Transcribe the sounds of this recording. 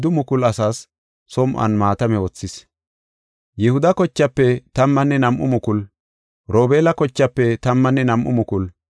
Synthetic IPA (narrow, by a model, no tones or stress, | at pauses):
d̪ʊmʊkʊlɐsaːsː | ɔmʔɐ̰nmaːt̪ɐmɛɔt͡sːɪs | jɛhʊd̪ɐkɔt͡ʃːɐpːɛt̪ɐmːɐnːɛnɐmʔʊmʊkʊl | ɾo̞ːbe̞ːlɐkɔt͡ʃːɐpːɛt̪ɐmːɐnːɛnɐmʔʊ̰mʊkʊl